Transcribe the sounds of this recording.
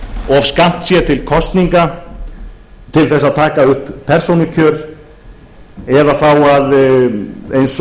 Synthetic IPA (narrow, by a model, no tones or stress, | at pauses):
ɔvskam̥t̪sjɛt̪ʰɪlkʰɔst̪niŋka | t̪ʰɪlθɛsːaðt̪ʰaːkaʏhpʰːɛr̥sownʏcʰœːɾ | ɛðaθawað | ejns